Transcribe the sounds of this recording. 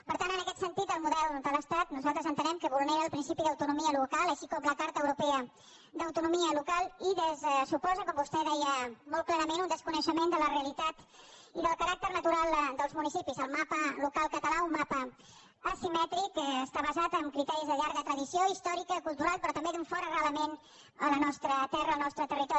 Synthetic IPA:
pəɾt̪antənəkɛt̪sənt̪it̪əlˠmuðɛlˠd̪ələst̪at̪nuzalˠt̪ɾəzənt̪ənɛmkəβulˠneɾəːlˠpɾinsipiðəwt̪unumiəlukalˠəʃikɔmləkaɾt̪əwɾupɛə | d̪əwt̪unumiəlukalˠiðəzsupɔzəkɔmbust̪ɛðɛjəmɔlˠklɛɾəmenund̪əskunəʃəmend̪ələreəlit̪at̪ | iðəlˠkəɾak̚t̪ərnət̪uɾalˠd̪əlˠzmunisipizəlˠmapəlukalˠkət̪əlaumːapə | əsimɛt̪ɾikːst̪aβəzat̪əmkɾit̪ɛɾizðəʎaɾɣət̪ɾəðisioist̪ɔɾikəkulˠt̪uɾalˠpɾɔt̪əmbed̪uɱfɔɾərələmen | ələnɔst̪ɾət̪ɛrəːlˠnɔst̪ɾət̪ərit̪ɔ

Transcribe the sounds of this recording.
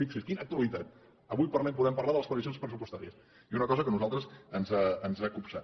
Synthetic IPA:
ikseskinək̚t̪uəlit̪at̪̚ | əβujpərlɛmpuðɛmpəɾlaðəlˠəspət̪isjonspɾəsupust̪aɾiəs | iunəkɔzəkənuzalˠt̪ɾəsənzaənzakupsa̰

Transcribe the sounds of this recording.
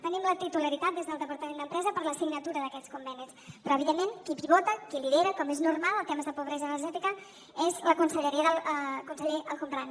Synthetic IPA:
t̪ənimlət̪it̪uləɾit̪at̪̚d̪ezðəlˠəpəɾt̪əmend̪əmpɾɛzəpəɾləsiɡnət̪uɾəðəkɛt͡skumbɛnispɾɔəβiðemːenkipiβɔt̪əkiliðeɾəkɔmeznurmalˠəlˠt̪eməzðəpuβɾɛzəːnəɾʒɛt̪ikə | ezləkunsəʎəɾiəðəlˠkunsəʎeəlˠkumpɾan

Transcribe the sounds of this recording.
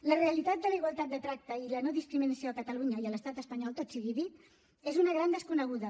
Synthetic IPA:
ləreəlit̪at̪̚d̪ələiɣwalˠt̪at̪̚d̪ət̪ɾak̚t̪əilənoðiskɾiminəsioəkət̪əluɲəiələst̪at̪əspəɲɔlˠt̪ot̪siɣiðit̪ | ezunəɣ̞ɾand̪əskunəɣ̞uðə

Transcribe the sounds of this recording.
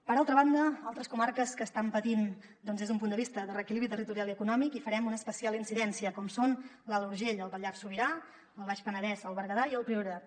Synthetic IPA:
pəɾalˠt̪ɾəβand̪əalˠt̪ɾəskumarkəskəːst̪ampət̪in | d̪ɔnzðezump̬und̪əβist̪əðərəːkiliβɾit̪ərit̪uɾialˠiəkunɔmikifəɾɛmunəːspəsialˠinsiðɛnsiəkɔmson | ləluɾʒeʎəlˠβəʎaɾsuβiɾa | əlˠβ̞aʃpənəðɛzəlˠβəɾɣəðaiəlˠpɾioɾa

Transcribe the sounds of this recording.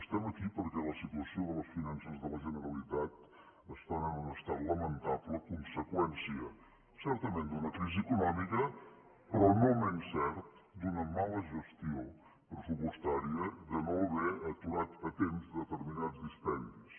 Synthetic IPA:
əst̪ɛməkipəɾkɛləsit̪uəsioðələsfinansəzðələʒənəɾəlit̪at̪ | əst̪anənunəst̪at̪ləmənt̪apləkunsəkwɛnsiə | sɛɾt̪əmend̪unəkɾiziəkunɔmikə | pɾɔnomɛnsɛɾt̪d̪unəmaləʒəst̪io | pɾəsupust̪aɾiəd̪ənoləβɛət̪uɾat̪ət̪emzəðət̪əɾminad͡zd̪isp̪ɛnd̪is

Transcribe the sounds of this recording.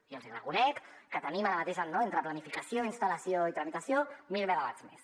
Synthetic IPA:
iəlˠzirəkunɛkː | ət̪ənimaɾəmat̪eʒannːoent̪ɾəplanifikasioinst̪aləsioit̪ɾəmit̪əsjomilˠnəɣaβa̰zmḛs

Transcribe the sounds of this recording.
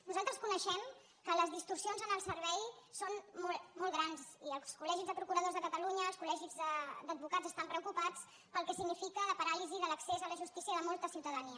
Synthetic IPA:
nuzalˠt̪ɾəskunəʃɛm | kələzðist̪ursionzənəlˠsəɾβɛjsonmɔmɔlˠɣɾanziəlˠskulɛʒizðəpɾukuɾəð̞ozðəkət̪əluɲəːlˠskulɛʒizðəd̪əd̪̚bukad͡zzəst̪ampɾəukupat͡s | pəlˠkɛsiɡnifikələpəɾaliziðələksezələʒust̪isiəðəmɔlˠt̪əsiwt̪əðəniə

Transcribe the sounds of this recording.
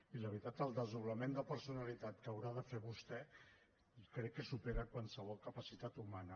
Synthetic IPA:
iləβɾit̪at̪əlˠd̪əzuβləmend̪əpəɾsunəlit̪at̪kəwɾaðəfeβust̪ɛ | kɾɛkːəsupeɾəkwansəβ̞ɔlˠkəpəsit̪at̪umanə

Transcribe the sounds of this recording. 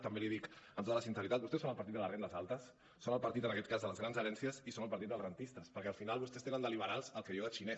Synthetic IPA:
t̪əmbeliðikənt̪ot̪ələsinsəɾit̪at̪̚bust̪ɛsonəlˠpəɾt̪id̪d̪ələrend̪əzalˠt̪əsː | onəlˠpəɾt̪it̪ənəkɛt̪̚kazðələzɣɾanzəɾɛnsiəzisonəlˠpəɾt̪it̪əlˠzrənt̪ist̪əspəɾkɛəlˠfinalˠβust̪ɛst̪enənd̪əliβəɾalˠzəlˠkejowðət͡ʃinɛs

